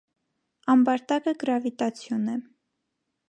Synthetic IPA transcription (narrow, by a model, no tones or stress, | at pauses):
ɑmbɑɾt̪ɑkəɡəɾɑvit̪ɑt͡sʰjunɛ